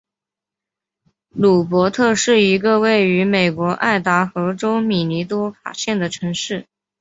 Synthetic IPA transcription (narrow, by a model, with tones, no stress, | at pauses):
lu˨˩pwɔ˧˥t̪ʰɤ˥˧ʂɻ̩˥˩i˧˥ɡə˧we˥˩ɪy˧˥me˨˩ɪkwɔ˧˥ʔa̰˥˩ɪt̪a˧˥xɤ˧˥ʈ͡ʂo˥ʊmi˨˩ni˧˥t̪̬wɔ˥fa̰˨˩ɕjɛ˥˩nd̪ə˩ʈ͡ʂʰɤ˧˥ŋʂɻ̩˥˩